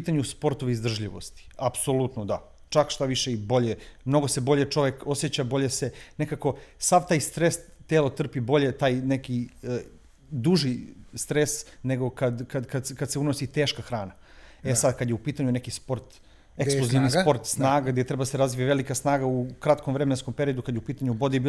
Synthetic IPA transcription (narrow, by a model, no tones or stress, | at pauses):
it̪aɲuspo̞ɾt̪oʋiːzd̪r̩ʒʎiʋo̞̰st̪i̥apsolˠut̪nod̪a | t͡ʃakʃt̪aʋiʃeibo̞ʎemno̞ɡose̞bo̞ʎet͡ʃo̞ʋeko̞sjet͡ɕabo̞ʎese̞ne̞kako̞saʋt̪aːjst̪ɾes | t̪eːlot̪r̩pibo̞ʎe̞t̪aːjnekiə | d̪uʒist̪ɾesneɡo̞kad̪kad̪kad̪skad̪seunosit̪eːʃkaxɾaːna | esad̪kad̪jeupiːt̪aɲunekispo̞ɾt̪ | esluzinispo̞ɾt̪snaːɡaɡd̪je̞t̪ɾebad̪aseɾazʋiaʋelikasnaːɡaukɾat̪komʋɾemenskompeɾijo̞d̪ukad̪jupiːt̪aɲubod̪ijebi